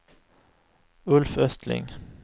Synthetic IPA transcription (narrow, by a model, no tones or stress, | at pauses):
ɵlfœst̪ʰlɪ̰ŋ